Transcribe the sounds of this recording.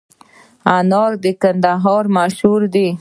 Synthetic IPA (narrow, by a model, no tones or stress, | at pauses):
anɑɾd̪əkand̪aɦɑɾmaʃhuɾd̪i